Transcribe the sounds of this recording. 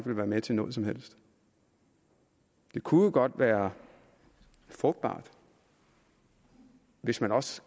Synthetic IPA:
ɡ̥ʋe̝lʋæːɐmet͡sʰe̝nɔ̽ːðˠsɒ̽mhel̰sd̥ | d̥e̝kʰuðəɡ̥ɒ̽d̥ʋæːɐ | fʁɔ̽ɡ̥̚d̥b̥ɑ̰̈ːd̥ | ʋe̝smænɒ̽s

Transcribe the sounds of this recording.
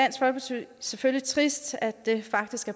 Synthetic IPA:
æn̰sɡ̥fɒ̽lb̥esʰysefølit͡sʰʁisd̥æd̥e̝fɑ̈ɡ̥d̥isɡ̥æɐ

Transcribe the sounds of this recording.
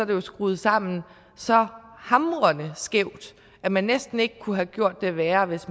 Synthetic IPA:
ɒd̥e̝jo̝sɡ̥ʁuːð̞̩ˠsɑ̈m̰n̩ | sɒ̽hɑ̈mɐnəsɡ̥eʊ̰d̥ | æmænːesd̥n̩e̝ɡ̥əkʰuɦæɡ̥jo̝ɐ̰d̥ːe̝ʋæːɐʋe̝s

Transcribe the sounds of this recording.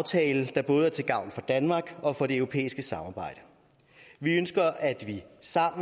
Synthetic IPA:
ʊt͡sʰɛːld̥ɑ̈b̥ɔ̽ːð̞̩ˠæɐt͡sʰe̝ɡ̥ɑ̈ʊ̰nfɒ̽d̥ænmɑ̈ːɡ̥ɒ̽fɒ̽ɾe̝øʊʁo̝pʰḛːisɡ̥əsɑ̈mɑ̈ːb̥ɑ̈ɪ̰d̥ə | ʋiønsɡ̥ɐæd̥ʋisɑ̈m̰

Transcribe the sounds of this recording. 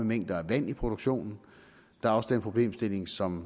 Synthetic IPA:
əmeŋ̰d̥ɐæʋæn̰ipʰʁo̝d̥oɡ̥ɕo̝̰ːnn̩ | d̥ɑ̈æɐɒ̽səd̥enpʰʁo̝b̥le̝̰ːmsd̥e̝le̝ŋsɒ̽m

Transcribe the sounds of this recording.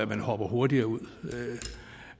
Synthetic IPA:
æmænhɒ̽b̥ɐɦo̝ɐd̥iɐːuð̰ˠ

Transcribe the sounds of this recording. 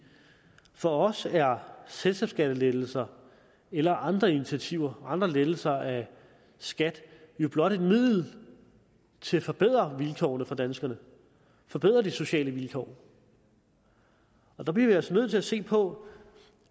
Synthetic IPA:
fɒ̽ɒ̽sæɐselsɡɛb̥sɡ̥æɾ̥əled̥l̩sɐ | elɐʔɑ̈nd̥ʁɐinit͡sʰæt͡sʰiʊ̰ɐʔɑ̈nd̥ʁɐleðl̩sɐæ | sɡ̥æd̥jo̝b̥lɒ̽ɾ̥e̝d̥mið̰ˠl̩ | t͡sʰe̝fɒ̽b̥e̝ð̰ˠʁɐʋilkʰɒ̰ʊnəfɑd̥ænsɡ̥ɐnə | fɒ̽b̥e̝ð̞̰ˠʁɐd̥iso̝ɕɛ̰ːləʋilkʰɒ̰ʊ | ɒ̽d̥ɑ̈b̥liɐʋiɒsnøð̰ˠt͡sʰe̝læse̝̰ːpʰɒ̽

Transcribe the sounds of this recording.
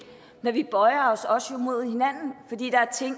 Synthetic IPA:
nɒʋib̥ɒ̽ɪɐɒsɒ̽sjo̝mo̝ð̞̰ˠhe̝næn̰n̩fɒ̽d̥ḭːd̥ɑ̈æɐt͡sʰe̝ŋ̰

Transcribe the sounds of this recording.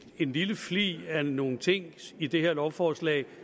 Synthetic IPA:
e̝nliləflḭːæno̝ːn̩t͡sʰe̝ŋ̰id̥e̝ɦeɐlɒʊfɒːslɛ̰ː

